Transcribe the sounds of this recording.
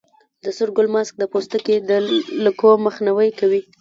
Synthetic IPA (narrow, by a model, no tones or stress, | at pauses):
d̪əsʊɾɡʊlmɑsk̚d̪əpost̪əked̪ələkoməxnawəjkawi